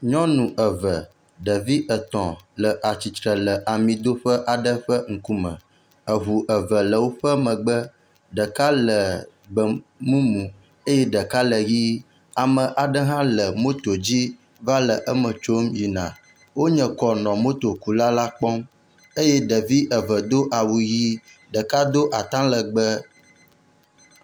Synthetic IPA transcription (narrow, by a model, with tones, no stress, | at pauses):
ɲɔ̃˦nũ˨ʔə˨və˨ | ɖə˨vi˦ʔə˨t̪ɔ̃˨lə˨ʔa˨t͡ɕi˨t̪ɾə˨lə˨ʔa˨mĩ˨d̪o˦ɸə˦ʔa˨ɖə˦ɸə˦ŋ̩˨ku˦mə̰̃˨ | ə˨ɦu˨ʔə˨və˨lə˨wo˦ɸə˦mə̃˨ɡ͡bə˦ | ɖə˨ka˦lə˨ | ɡ͡bə˨mũ˦mũ˨ | e˦jɛ˦ɖə˨ka˦lə˨ji˦ | a˨mə̃˨ʔa˨ɖə˦ɦã˦lə˨mõ˦t̪o˨d͡ʑi˦ | va˦lə˨ʔə˦mə̃˨t͡ʃo˦mji˨nã̰˨ | wo˦ɲə̃˨kɔ˨nɔ̃˨mo˦t̪o˨ku˨la˦la˦k͡pɔ˦m | e˦jɛ˦ɖə˨vi˦ʔə˨və˨d̪o˦ʔa˨wu˨ji˦ | ɖə˨ka˦d̪o˦ʔa˨t̪ã˦lə˨ɡ͡bə˦